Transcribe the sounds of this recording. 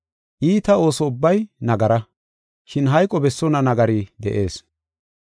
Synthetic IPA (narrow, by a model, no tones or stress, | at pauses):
ʔiːt̪ɐo̞ːsɔʊbːɐjnɐɡɐɾɐ | ʃɪnɦɐjkʼːɔbɛsːɔnɐnɐɡɐɾid̪ɛ̰ʔe̞ːs